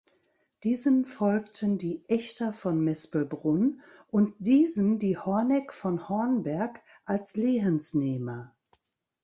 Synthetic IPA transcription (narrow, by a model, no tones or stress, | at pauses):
d̥iːzəmfɔlktʰəndiːʔɛçtɐfɔnmɛspəl̩bʁʊnʔʊntd̥iːzəmdiːhɔɐnɛkfɔnhɔɐnbɛɐk | ʔalsleːɦənsneːmɐ